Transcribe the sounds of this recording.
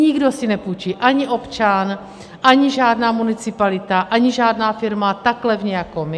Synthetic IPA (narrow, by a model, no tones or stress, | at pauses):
ɲɪɡdo̞sɪnɛpuːt͡ʃiʔaɲɪʔo̞pt͡ʃan | ʔaɲɪʒaːdnaːmunɪt͡sɪpalɪt̪aʔaɲɪʒaːdnaːfɪɾmat̪aklɛvɲɛjako̞mɪ